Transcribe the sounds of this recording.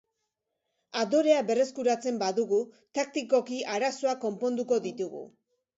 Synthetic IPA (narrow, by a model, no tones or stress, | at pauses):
aðo̞ɾe̞aβe̞re̞skuɾat͡se̞mbaðuɣu | t̪ak̚t̪iko̞kiʔaɾaso̞ako̞mpo̞nd̪uko̞ðit̪uɣṵ